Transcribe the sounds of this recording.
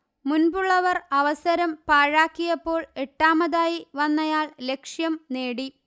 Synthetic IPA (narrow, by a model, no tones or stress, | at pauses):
munbuɭːɐʋɐrɐʋɐsɐɾɐmpaːɻaːkːijɐpːo̞ːɭe̞ʈːaːmɐðaːjiʋɐnːɐjaːɭle̞kʂjɐmne̞ːɽi